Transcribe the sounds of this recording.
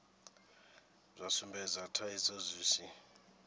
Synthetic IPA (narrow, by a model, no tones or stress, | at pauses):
zʷasumbɛzatʰaisozʷiːsi